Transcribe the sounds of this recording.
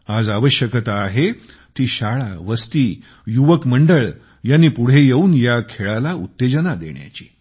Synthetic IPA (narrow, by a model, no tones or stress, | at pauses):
ad͡zaʋəɕjəkət̪aːɦe | t̪iːɕaɭaʋəst̪iː | juʋəkməɳɖəɭ | janːiːpuɽ̤ejeuːnjakʰeɭalaut̪ːed͡ʑənad̪ḛɳja̰t͡ɕi̥ː